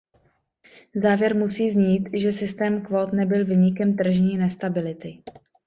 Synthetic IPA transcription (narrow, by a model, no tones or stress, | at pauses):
zaːvjɛɾmusiːzɲiːt̪ʒɛsɪst̪ɛːmkvot̪nɛbɪlviːɲɪkɛmt̪r̩ʒɲiːnɛst̪abɪlɪt̪ɪ